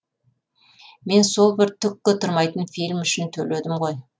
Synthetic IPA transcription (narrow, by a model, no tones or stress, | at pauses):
me̞nso̞lˠbɪɾt̪ʰʏkːɪt̪ʰʊɾmɑjt̪ənfilʲmʏʃɪnt̪ʰɵle̞d̪ɪmʁo̞j